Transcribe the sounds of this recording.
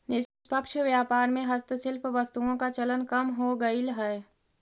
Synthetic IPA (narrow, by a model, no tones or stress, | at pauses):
nɪpəkʃʋjaːpaːɾmẽɦɐst̪əsɪlpʰʋəst̪uõkat͡ʃɐlənkɐmɦoɡɐilɦɛː